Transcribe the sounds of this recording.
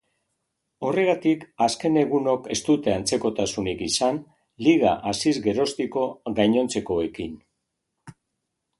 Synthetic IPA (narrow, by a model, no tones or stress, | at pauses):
o̞re̞ɣat̪ikaske̞ne̞ɣ̞uno̞ke̞st̪ut̪e̞ant͡se̞ko̞t̪asunikisan | liɣ̞a̰ʔasizɡe̞ɾo̞st̪iko̞ɣajɲo̞nt͡se̞ko̞e̞kin